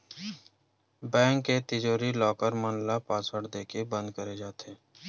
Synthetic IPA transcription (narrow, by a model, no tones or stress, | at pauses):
bɛ̃ːŋkːet̪ɪd͡ʒoːɾilɔːkəɾmənlapaːsəɽd̪eːkebə̃nd̪kəɾed͡ʒaːt̪eː